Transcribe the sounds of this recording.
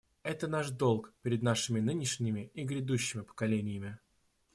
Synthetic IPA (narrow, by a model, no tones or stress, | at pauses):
ɛt̪ənaʂd̪o̞lˠkpʲɪɾʲɪd̪naʂɨmʲɪnɨnʲɪʂnʲɪmʲɪiɡɾʲɪd̪uɕːɪmʲɪpə̥kɐlʲenʲɪjɪmʲɪ